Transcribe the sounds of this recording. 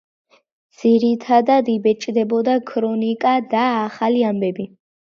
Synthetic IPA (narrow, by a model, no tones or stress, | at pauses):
dd̪z̥iɾit̪ʰad̪ad̪ibɛt͡ʃʼd̪ɛbɔd̪akʰɾɔnikʼad̪aːχaliambɛbi